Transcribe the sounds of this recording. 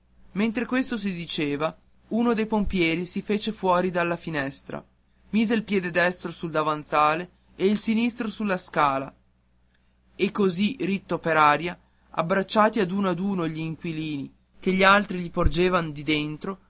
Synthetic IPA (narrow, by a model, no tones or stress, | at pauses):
ment̪ɾekwest̪os̬id̪it͡ʃeːva | uːnod̪ejpompjɛːɾisifeːt͡ʃefwɔːɾid̪alːafinɛst̪ɾa̰ | miːzeilpjɛːd̪ed̪ɛst̪ɾosuld̪avant̪saːle | eilsinist̪ɾosulːaskaːla | ekːozirit̪ːopeɾaːɾja | a̰bːɾat͡ʃːaːt̪iad̪uːnoad̪uːnoʎiːŋkwiliːni | keʎːialt̪ɾiʎipord͡ʒeːvand̪id̪ent̪ɾo